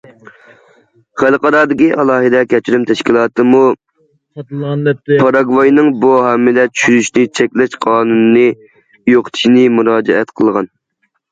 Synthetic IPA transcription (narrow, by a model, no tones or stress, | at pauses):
χælˠqɑɾɑd̪ɪkʲiʔɑlˠɑːɦɨd̪ɛkʲɛt͡ʃʰɾymt̪ʰɛʃkʲilˠɑːt̪ɨmu | pʰɑɾɑɡvɑjnɨŋbuɦɛmːɪlɛt͡ʃʰy̥ʃyɾyʃnɪt͡ʃʰɛkʲlɛʃqʰɑːnunnːɨ | joqt̪ʰɪ̥ʃnɪmuɾɑːd͡ʒɛɛt̪qʰəlˠʁɑn